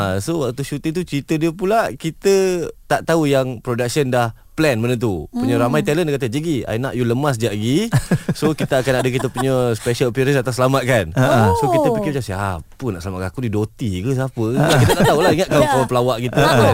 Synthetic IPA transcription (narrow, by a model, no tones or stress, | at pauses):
asowak̚t̪uʃut̪ɪŋt̪̬ut͡ʃɾit̪ədiəpulakit̪ət̪aʔt̪aujaŋpɾodak̚səndah | plɛnbənət̪̬upuɲəɾamajt̪ɛləndkat̪əd͡ʒəɡia̰jnaʔjuləmas̬d͡ʒaʔɡisokit̪əakanadək̬it̪əpuɲəspɛʃəlpiɾəsat̪asəlamat̪̚kansokit̪əpikibəd͡ʒasiapunaʔsəlamat̪kakudidot̪ikəs̬apəkit̪ət̪at̪aulaiŋat̪ʔ̚kalaŋkalapəlawaʔkit̪əə